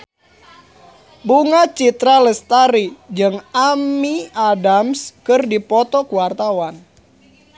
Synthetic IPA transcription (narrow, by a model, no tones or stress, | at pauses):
buŋat͡ʃit̪ɾaləst̪aɾid͡ʒɨŋamiadamskɨrdipɔt̪ɔkuwart̪awan